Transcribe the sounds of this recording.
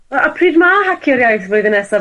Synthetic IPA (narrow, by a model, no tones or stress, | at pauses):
əpʰriːdmahakʰiɔɾjajθvʊɨðənɛsɔ